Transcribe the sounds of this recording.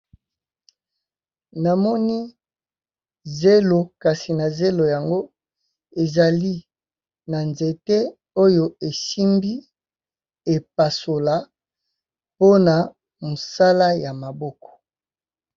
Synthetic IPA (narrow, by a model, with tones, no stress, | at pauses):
na˨mɔ˦ni˦ | ze˦lo˨ka˨si˨na˨ze˦lo˨ja˨ŋɡo˦ | e˨za˨li˦ | na˨nze˨te˦ | o˦jo˨e˨si˦mbi˦ | e˨p̚a˨so˨la˨ | po˦na˨ | mo˨sa˦la˦ja˨ma˨bɔ˦kɔ̥˨